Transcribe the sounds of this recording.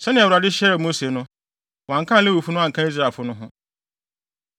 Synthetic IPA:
sɛ˦nɪ̃˨ɛ˨wʊ˨ɾa˨dɪ˦ɕɛ˦ɾmo˦se˨nʊ̃˦ | wã˨ŋ̩˦kʰã˦le˦wu˨fu˦nʊ̃˦a˨kʰã˦i˦s̬ɾaː˦˨lfʊ˦nʊ̃˦ɦʊ̃˦

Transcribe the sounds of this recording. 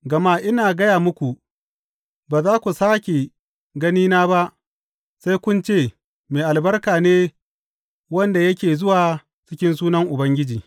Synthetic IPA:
ɡɐ˨ma˦ʔɪ˦naː˨ɡɐ˦jaː˨mʊ˦kʷu˨ | baː˨zaː˦kʷu˨saː˦kʲe˨ | ɡɐ˦niː˦naː˦ba˦ʔ | sa˦jkʷʊ˦nt͡ʃeː˦˨ | meː˨ʔa˨lbɐ˦rkaː˨neː˦ | wɐ˦nda˨jɐ˦kʲeː˨zʊ˦waː˨ | t͡ʃɪ˦kʲɪ˦ns̬uː˦nɐ˦ŋʔʊ˨bɐ˦ŋɡʲɪ˦d͡ʒiː˨

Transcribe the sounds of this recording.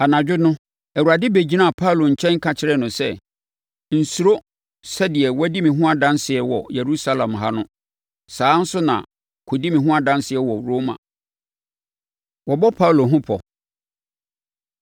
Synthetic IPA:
a˨nã˨d͡ʑᶣɪ˦nʊ̃˦ | æ˨wu˨ɾa˨dɪ˦be˨d͡ʑi˦nã˦˨pʰa˦u˨lo˨ɲ̩˨t͡ɕʰɛ̃˦ŋ̩˦kʰã˨t͡ɕʰɪ˦ɾɛ˦nʊ̃˨sɛ˦ | n̩˨su˨ɾo˦ | sɛ˦dɪ˨ɛ˨wɔ˦di˦mĩ˨ɦʊ̃˦a˨dã˦nsɪ˨ɛ˦wɔ̰˨jɛ˨ɾu˦sa˦lã˨mɦa˦nʊ̃˦ | saː˨˦n̩˦sʊ˦nã̰˨ | kʰo˨di˦mĩ˨ɦʊ̃˦a˦dã˦nsɪ˨ɛ˦wɔ˨ɾo˦mã̰˨ | wɔ˨bɔ˦pʰa˦u˨lo˨ɦʊ̃˦pʰɔ̰˨

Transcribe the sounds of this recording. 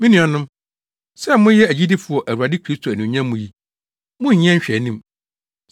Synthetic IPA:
mĩ˦nĩ˨ɔ˨nʊ̃˦m | sɛ˦mʊ̃˦jɛ˦æ˨d͡ʑi˦di˦fʊ˨ɔ˨ʔæ˨wu˨a˨dɪ˦kʰɾi˦stʰo˨æ˨nũ˨ɲã˦mʊ̃˨ji˦ | mʊ̃˦ɲ˨ɲ˦ɛ̃˦ɲ˦ɕᶣɛ˨˦nĩ˦m

